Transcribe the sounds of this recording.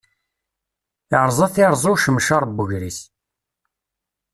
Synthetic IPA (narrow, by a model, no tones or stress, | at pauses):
ɪɾzˤɑθiɾˤzˤuʃəmʃɑɾˤbːʊʝɾis